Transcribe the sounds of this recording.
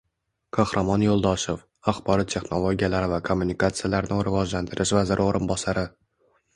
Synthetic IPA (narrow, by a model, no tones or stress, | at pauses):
kʰahɾʔamɒnjolˠd̪ɒʃof | aχbɒɾɒt̪t̪ʰe̞χno̞lˠoɡʲijalaɾɪvakʰomːunikat̪sɨjalaɾnɪɾɪvɒd͡ʒlant̪ʰɪɾʔɪʃvazɪɾɪoɾʔɪnbɒsaɾɪ